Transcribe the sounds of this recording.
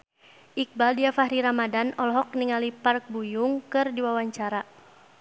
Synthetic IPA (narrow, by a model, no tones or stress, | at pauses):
ʔik̚baldiafaɦɾiɾamadanɔlɔɦɔk̚niŋalipark̚bujʊŋkɨrdiwawaɲt͡ʃaɾa